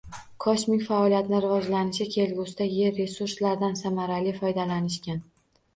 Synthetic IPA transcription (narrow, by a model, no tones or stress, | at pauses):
kʰɒʃmɪkʲfaɒlijat̪nɪɾɪvɒd͡ʒlanɪʃɪkʲʰe̞lɡʲʊst̪aje̞ɾːe̞suɾslaɾd̪ansamaɾalifɒjd̪alanɪʃkʲan